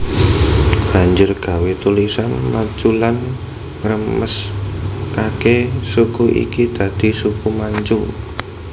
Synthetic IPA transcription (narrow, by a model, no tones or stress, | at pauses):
b̥a̤ɲd͡ʒʊrɡ̥a̤wet̪ulisanmat͡ʃulan | rəməs | kakesukuʔḭkid̪̥ä̤d̪̥i̤sukumaɲt͡ʃu